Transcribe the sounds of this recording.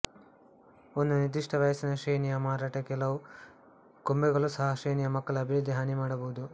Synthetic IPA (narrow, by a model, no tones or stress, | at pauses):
ond̪unid̪iʂʈɐʋɐjɐsinɐʃejnijɐmaːɾaːʈɐkɛlɐʋu | kombɛɡɐɭusɐɦɐʂejnijɐmɐkːɐɭɐɐbʱiɾud̪ʱːiɦaːnimaːɽɐbɐud̪u